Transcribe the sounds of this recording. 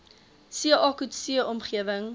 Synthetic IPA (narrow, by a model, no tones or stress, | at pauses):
siəʔɑːkutsiəʔɔmχiəvəŋ